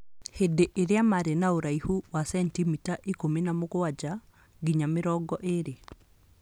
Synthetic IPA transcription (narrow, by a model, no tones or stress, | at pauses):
hedeʔeɾeamaɾenaoɾaihuwasɛntimitaʔikominamoɣoad͡ʒa | ɡiɲameɾɔɡɔʔeɾe